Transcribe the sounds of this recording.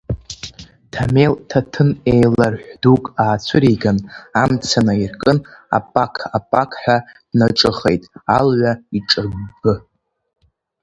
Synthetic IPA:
tʰameltʰatʰɨnejlarħʷᶣdukʼaːt͡sʷʰɨɾiɡanamt͡sʰanairkʼɨna̰pʼakʰapʼakʰʼħʷᶣad̥naʈ͡ʂʼɨχḛjtʼalʕʷaiʈ͡ʂʼɨbbɨ

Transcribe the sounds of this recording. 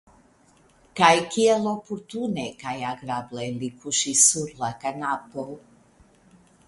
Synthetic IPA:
kajkielopuɾt̪unekajaɡɾablelikʰuʃisuɾlakanapol

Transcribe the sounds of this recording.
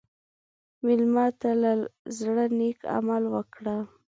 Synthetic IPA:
mɪlmɑt̪alazɽəneka̰malwəkɽa

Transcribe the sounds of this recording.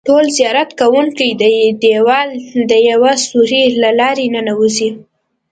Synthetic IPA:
ʈolzijɑɾat̪kawuŋkəjd̪əd̪ewɑld̪əjawasuɾilalɑɾenənawuzi

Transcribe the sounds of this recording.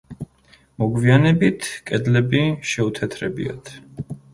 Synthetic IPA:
mɔɡvianɛbit̪ʰkʼɛd̪lɛbiʃɛut̪ʰɛt̪ʰɾɛbḭa̰t̪ʰ

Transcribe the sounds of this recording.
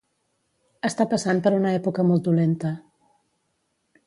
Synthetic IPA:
əst̪apəsanpəɾunəɛpukəmɔlˠt̪̚d̪ulent̪ə

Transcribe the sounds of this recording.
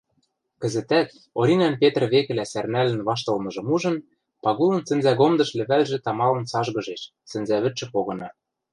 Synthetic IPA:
kɘ̆zɘ̆t̪æt̪ | oɾʲinænpet̪rβekɘ̆læsærnælɘ̆nβɑʃ̬t̪ɤ̆lmɤ̆ʒɤ̆muʒɤ̆n | pɑɣulɤ̆nsɘ̆nzæɣomd̪ɤ̆ʃlɘ̆βælʒĕt̪ɑmɑlɤ̆nsɑʒɣɤ̆ʒeʃ | sɘ̆nzæβɘ̆t͡ʃɘ̆poɣɤ̆nɑ

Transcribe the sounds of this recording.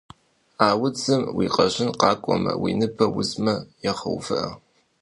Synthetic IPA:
aːwʊt͡sʰɨmwḭːqʼɐʑɪnqɑːkʷʼɔmɐ̰wḭːnɨpʰɐwʊzmɐjɛχɐ̰wfɨʔɐ

